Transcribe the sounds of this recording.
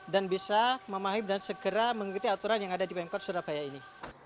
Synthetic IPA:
danbisaməmaɦɪm̚dansəɡəɾaməŋikut̪iat̪uɾanjaŋadadipamkɔt̪̚suɾapajaini

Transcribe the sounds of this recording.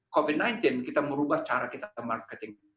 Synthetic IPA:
kovid̚najnt̪ɪnkit̪aməɾubaht͡ʃaɾakit̪aamarkɛt̪ɪŋ

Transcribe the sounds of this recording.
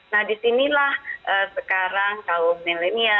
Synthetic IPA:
nahdisinilahʔəsəkaɾaŋkalomɛlenia

